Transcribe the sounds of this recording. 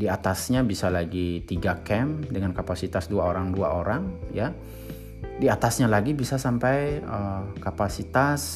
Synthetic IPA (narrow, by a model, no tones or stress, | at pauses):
diat̪asɲabisalaɡit̪iɡakɛmdəŋankapasit̪asduaoɾaŋdua̰ʔoɾaŋja | diat̪asɲalaɡibisasampajəkapasit̪as